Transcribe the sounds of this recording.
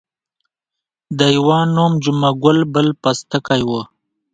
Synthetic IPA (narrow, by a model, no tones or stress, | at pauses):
d̪əjiwɑːnomd͡ʒumaɡʊlbəlpast̪əkajwo